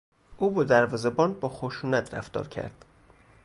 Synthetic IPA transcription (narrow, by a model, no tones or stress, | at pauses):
ʔuːbɒd̪æɾvɒːzebɒːnbɒːxoʃuːnæt̪ʰɾæ̰ft̪ɒ̰ːɾcʰæ̰ɾd̪̥